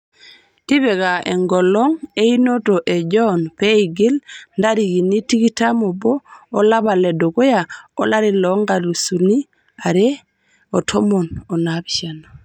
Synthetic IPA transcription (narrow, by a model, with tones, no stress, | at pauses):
ti˦βɛ˨ka˨ʔḛ˨ŋɡɔ˨lɔ˦ŋe˦ino˦to˨ʔe˨d͡ʒɔnpɛ˦i˨ɡe˦lnda˦ɾi˨ɡi˨ni˦ti˦ki˦tamo˨bɔː˦la˦βa˨lɛ˨do˨ko˦ja˨ɔ˦la˦ɾi˨lɔŋɡa˨lu˨su˨ni˦ | a˨ɾɛ˦ | ɔ˨tʰɔ˦mo˨nɔ˨nabi̥˨ʃa˨no˨